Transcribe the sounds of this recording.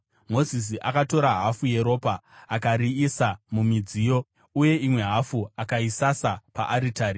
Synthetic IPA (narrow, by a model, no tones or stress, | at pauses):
mo̞zis̬iʔakato̞ɾaɦafuje̞ɾo̞ːpaːkaɾiisamumid͡ziːjo̞ | uje̞imwe̞ɦafuakaisasapa̰ʔaɾitaːɾi